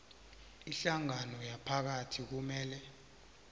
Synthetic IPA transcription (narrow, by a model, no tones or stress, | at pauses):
iɬaŋanɔjapʰak̬atʰik̬umɛːlɛ